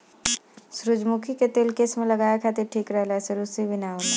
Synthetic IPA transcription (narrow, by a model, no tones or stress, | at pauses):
sɾʊd͡ʒmukʰiket̪eːlkesmẽlɐɡaːjakʰat̪eʈʰiːkɾɐɦlɦɛseɾusibʱɪnaːo